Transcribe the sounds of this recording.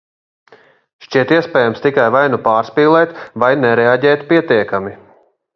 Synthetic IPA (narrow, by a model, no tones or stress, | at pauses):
ʃt͡ʃiɛt̪iɛspɛːjamst̪ikajvajnupaːɾspiːlˠɛt̪vajnɛɾɛaɟɛːt̪piɛt̪iɛkami